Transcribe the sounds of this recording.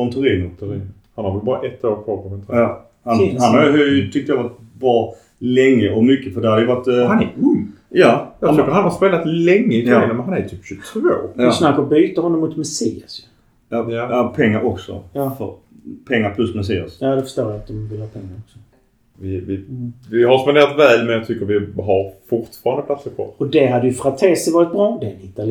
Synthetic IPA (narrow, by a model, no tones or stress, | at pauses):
ɔnt̪ʰʉɾiːnt̪ɾ | hanhaɾvɛlbɑːɾaʔɛt̪ːoːɾpʰopʰɔɛnt̪ʰjɑ | hanhanhaɾjʊt̪ʰʏk̚t̪əjavaʈ̪bɾɑː | lɛŋːəɔmʏkːəfœd̪ɛæhaɾd̪ɛjʉvaʈːhanɛɵŋː | jajɑɡ̪ʏkːəɾhanhaspeːlat̪lɛŋːəɪt̪ʰɾiːnəmɛnhanæɾt̪ʰyːpɕʉt̪ʰvoːsnakːəɾbyːt̪əɾhɔnːɔmːʊt̪mɛsḭːasj | jajapʰɛŋːaɾʔɔksɔ̰jfœ̰ɾ | pʰɛŋːaɾpʰlɵsmɛs̬iːa̰sjaːd̪ɛfə̥ʂt̪oːɾjaat̪̚d̪ɔmvɪlhɑːpʰɛŋːaɾɔksɔ̥ | vɪvɪvɪɦaɾspaneːɾat̪vɛːlmɛnjɑɡ̚t̪ʰʏkːəɾvɪɦaɾfʊɾʈfɑːɾand̪əpʰlat̪səɾkʰvɔ̰ɔd̪ɛɦad̪ːəjɵfɾat̪ʰeːsɪvɑːɾɪt̪̚bɾɑːd̪ɛnɪt̪al